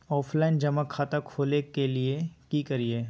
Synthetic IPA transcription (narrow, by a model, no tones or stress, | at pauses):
ɔːpʰlaɪnd͡ʒɐmakʰːaːt̪akʰoːlekeliekiːkɐɾieː